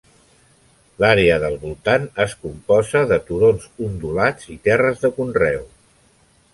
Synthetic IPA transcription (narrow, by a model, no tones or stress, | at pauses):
laɾeəðəlˠβulˠt̪anəskumpɔzəðət̪uɾonzund̪ulad͡zit̪ɛrəzðəkunrɛw